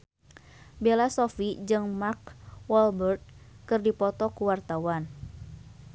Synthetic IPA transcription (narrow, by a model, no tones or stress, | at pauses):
belasofid͡ʒɨŋmark̚wɔlbərt̪̚kɨrdipɔt̪ɔkuwart̪awan